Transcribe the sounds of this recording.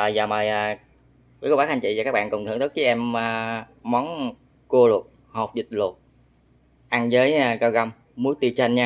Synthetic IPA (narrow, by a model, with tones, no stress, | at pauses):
ə˨˩jzaː˨˩mə˨˩jʔaː˨˩˧ | kə˧waː˦˥a˧nt͡ɕḭ˧˨zaː˨˩aː˦˥k̚ɓa̰ː˧˨ŋkʊ˨˩ŋ͡mt̪ʰɨ˧˩˨t̪ʰɨ˦˥k̚i˨˦ʔɛ˧mː˧˩ | mɔ˨˦n | ku˧əlʊ˨˩t̚ | ho˨˩p̚zï˨˩t̚lʊ˨˩t̚ | ʔa˧ŋzəː˨˦jɣa˧ɣa˧wmː | u˨˦jt̪i˧t͡ɕa˧jŋɲaː˧